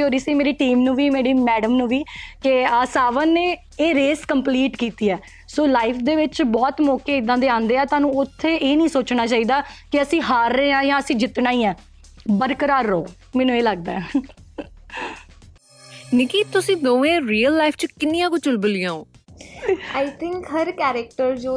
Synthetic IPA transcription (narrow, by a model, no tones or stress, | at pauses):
ɦoːɾiːsĩːmeːɾiːʈiːmnũːʋiːmeːɽiːmɛːɖəmnũːʋiːkeaːsaːʋənːeː | eːɾeːskəmpliːʈkiːt̪iːɛː | soːlaːɪpʰd̪eːʋɪt͡ʃbɔːt̪mɔːkeːɪd̪ːãːd̪eːãːnd̪eːɛːt̪ʊaːnũːʊt̪ʰːeːʔeːnĩːsoːt͡ʃnaːt͡ʃaːiːd̪aːkɪəsĩːɦaːɾːəːãːjãːəsĩːd͡ʒɪt̪naːiːɛ̃ː | bəɾkəɾaːɾːoː | mɛːnũːeːləɡd̪aːɛ | nɪkiːt̪ʊsĩːd̪oːẽːɾiːəlːaːɪpʰt͡ʃkɪnːijãːkʊt͡ʃʊlbəlɪjãːoː | aːit̪ʰɪŋkɦəɾkɛːɾɪk̚ʈəɾd͡ʒoː